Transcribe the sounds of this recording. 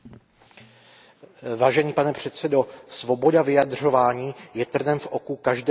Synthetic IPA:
vaːʒɛɲiːpanɛpr̝̥ɛt̪sɛdo̞svo̞bo̞davɪjad̪r̝o̞vaːɲiːjɛt̪r̩nɛmfʔo̞kukaʒdɛ

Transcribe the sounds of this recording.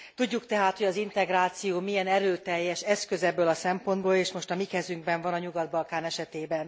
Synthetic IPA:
t̪uɟːukt̪ɛɦaːt̪hoɟɒzint̪ɛɡɾaːt̪sijoːmiɛnɛɾøːt̪ɛjːɛʃɛskøzɛbːøːlɒsɛmpo̞nd̪boːleːʃmo̞ʃt̪ɒmikɛzyŋɡ̚bɛɱvɒnɒɲuɡɒd̪bɒlkaːnɛʃɛt̪eːbɛn

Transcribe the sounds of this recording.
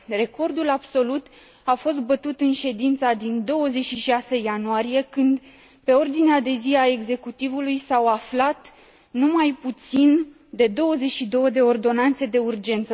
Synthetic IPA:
re̞ko̞rd̪ulabso̞lut̪ | afo̞s̬t̪̚bət̪ut̪ɨnʃe̞d̪int̪sad̪ind̪o̞wəze̞t͡ʃʃiʃase̞janoaɾije̞kɨnd̪ | pe̞o̞rd̪inead̪e̞ziae̞ɡze̞kut̪ivulujsawaflat̪ | numajput̪sin | d̪e̞d̪o̞wəze̞t͡ʃʃid̪o̞wəd̪e̞o̞rd̪o̞nant̪se̞d̪e̞urd͡ʒe̞nt̪sə

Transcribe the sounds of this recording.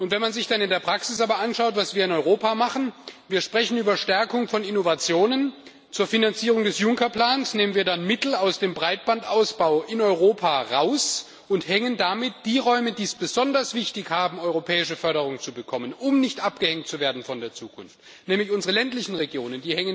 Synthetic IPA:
ʔʊntv̥ɛnmanzɪçd̥anɪndeːɐpʁ̥aksɪsʔaːbɐʔanʃaʊtv̥asv̥iːɐɪnɔʏʁoːpaːmaχn̩viːɐʃpʁ̥ɛçn̩yːbɐʃtɛɐkʊŋfɔnɪnovat͡sjoːnən | t͡suːɐfinant͡siːʁʊŋdɛsjʊŋkɐpl̥aːnsneːmənviːɐdanmɪtl̩aʊsd̥eːmbʁaɪt̚b̥antʔaʊsb̥aʊʔɪnɔʏʁoːpʰaːʁaʊs | ʊnthɛŋəndamɪt̚d̥iːʁɔʏmədiːsb̥əzɔndɐsv̥ɪçtɪçhaːbm̩ɔʏʁopʰɛːɪʃəfœɐɾəʁ̞ʊŋt͡subəkʰɔmənʊmnɪçtʔapɡ̥əhɛŋt̚t͡suveːɐdn̩fɔndeːɐt͡suːkʰʊ̰nft | nɛːmlɪçʔʊnzəʁəlɛntlɪçn̩ʁeɡjoːnəndiːhɛŋən

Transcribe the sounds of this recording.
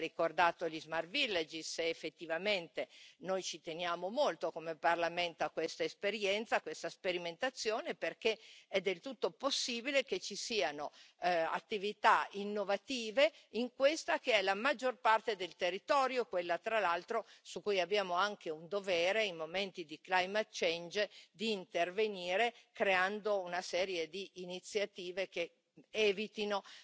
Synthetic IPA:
ikord̪aːt̪olizmarvilːad͡ʒiseːfːet̪ːivament̪enojt͡ʃit̪enjaːmomolt̪okomeparlament̪akwest̪aespeɾjɛnt̪sakwest̪aspeɾiment̪at̪sːjoːneperkeɛd̪ːelt̪ut̪ːoposːiːbilek̟et͡ʃisiːanoa̰t̪ːivit̪ainːovat̪iːveiŋkwest̪akeɛlamad͡ʒːorpart̪ed̪elt̪erːit̪ɔːɾjokwelːat̪ɾalalt̪ɾosukːujabːjaːmoaŋkeund̪ovɛːɾeimoment̪id̪iklajmat̪t͡ʃɛnd͡ʒd̪iːnt̪erveniːɾekɾeand̪ounasɛːɾjed̪iʔːnit̪sːjat̪iːvek̟e | ɛːvit̪ino

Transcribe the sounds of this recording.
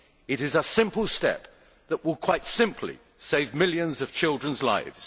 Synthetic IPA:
ɨɾɨzəsɪ̃mpəlˠstɛ̰p̚ | ðəʔwɪlˠkʰw̥aɪtsɪ̃mpʰlḭ | seɪvmɪlˠjɨ̃nzʌv̥t͡ʃʰɪlˠdɹə̃nzla̰ɪvz̥

